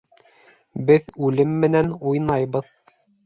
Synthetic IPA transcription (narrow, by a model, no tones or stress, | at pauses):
bɘðʉlɘmːɘ̆nænujnɑjβɤð